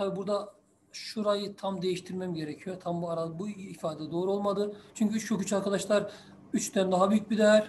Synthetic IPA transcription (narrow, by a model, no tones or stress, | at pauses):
t̪ʰabibuɾd̪a | ʃuɾajɯt̪ʰamd̪e̞jiʃt̪ʰiɾmæmɟe̞ɾecʰijo̞t̪ʰambuaɾalˠbuifaːd̪ɛɛd̪o̞ːɾuo̞lˠmad̪ɯt͡ʃʰyɲcyyokʰut͡ʃʰaɾkʰad̪aʃlˠaɾ | yt͡ʃt̪ʰænd̪aɦabyjyc̚bid̪ɛæɾ